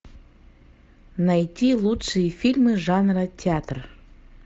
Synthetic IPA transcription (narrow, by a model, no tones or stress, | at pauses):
najtʲilˠutʂɨjəfʲilʲmɨʐɑnrətʲɪat̪r